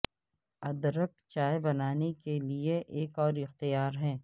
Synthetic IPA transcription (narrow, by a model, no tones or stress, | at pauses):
ɐd̪ɾək̚t͡ʃaːebɐnaːnekelieʔeːkɔːɾɪxt̪ijaːɾɦɛ̃ː